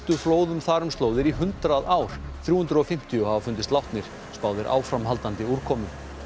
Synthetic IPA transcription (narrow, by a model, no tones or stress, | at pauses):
t̪ʏfloːwðʏmθaːɾʏmst̪loːwðɪɾiɦʏnt̪ɾaðaːwɾ̥θɾjuːhʏnt̪ɾɔfɪm̥t̪ʰijʏhavafʏnt̪̬ɪst̪lawht̪nɪɾ̥ | spaːwðɪɾʔa̰ːwfɾamɦalt̪ant̪ɪuɾkʰɔːmʏ